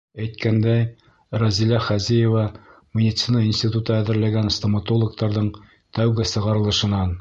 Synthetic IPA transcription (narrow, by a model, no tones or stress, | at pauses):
æjt̪kænd̪æj | rɐzilæχæzijevɑmʲed̪ʲit̪sɨnɑinsʲtʲit̪ut̪ɤæðɘ̆ɾlæɡænst̪omat̪olˠŏk̚t̪ɑɾðɤɴ | t̪æwɡɘsɤ̆ʁɑɾɤ̆lˠɤ̆ʃɤ̆nɑn